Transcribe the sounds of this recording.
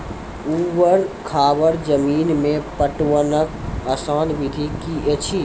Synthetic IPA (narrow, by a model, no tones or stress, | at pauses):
uːwəɾkʰaːʋəɾd͡ʒəmiːnmẽpəʈwənəkəsaːnʋid̪ʱikiet͡ʃʰi